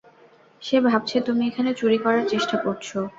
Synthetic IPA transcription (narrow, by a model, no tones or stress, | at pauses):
ʃebʱab̚t͡ɕʰet̪umiekʰanet͡ɕuɾikɔɾaɾt͡ɕeʃʈakoɾt͡ɕʰo